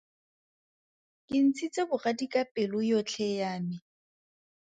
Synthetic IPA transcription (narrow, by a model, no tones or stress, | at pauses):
kʼɪn̩t͡sʰit͡sʼebʊɣadikʼapʼɪlʊjot͡ɬʰɛjaːmɪ